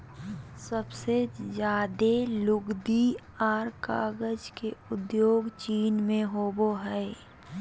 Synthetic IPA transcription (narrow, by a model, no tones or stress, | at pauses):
səbsezjaːd̪elʊɡd̪i | aːɾka̰ːɡəd͡ʒkeʊd̪joːɡt͡ʃiːnmẽɦoboɦɛː